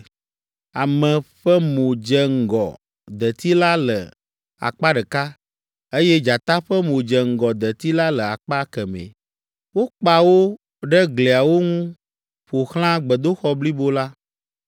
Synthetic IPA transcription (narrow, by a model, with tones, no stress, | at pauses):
a˨mɛ̃˨ɸɛ˦mõ˨d͡ʒɛ˨ŋ̩˨ɡɔ̰˨ | d̪ɛ˨t̪i˦la˦lə˨ | a̰˨k͡pa˦ɖɛ˨ka˦ | e˦jɛ˦d͡ʒa˨t̪a˦ɸɛ˦mõ˨d͡ʒɛ˨ŋ̩˨ɡɔ˨d̪ɛ˨t̪i˦la˦lə˨a˨k͡pa˦kɛ˨mɛ̰̃˨ | wo˦k͡pa˨wo˦ | ɖɛ˦ɡle˨a˨wo˦ŋũ˦ | ɸo˨xl̃ã˦ɡ͡bə˨d̪o˦xɔ˦bli˦bo˦la˦